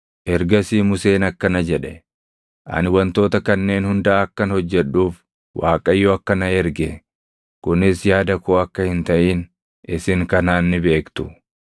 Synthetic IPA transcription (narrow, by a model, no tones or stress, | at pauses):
ʔɛɾɡɐsiːmʊse̞ːnɐkːɐnɐd͡ʒɛᶑɛ | ʔɐ̰nwɐnt̪o̞ːt̪ɐkɐnːe̞ːnhʊnd̪aːɐkːɐnhɔd͡ʒːɛᶑːuːf | wʔaːkʼɐjːɔɐkːɐnɐɛɾɡɛ | kʊnɪsjaːd̪ɐkoːɐkːɐhɪnt̪ɐʔiːn | ɪsɪŋkɐnaːnːɪbe̞ːkt̪ʊ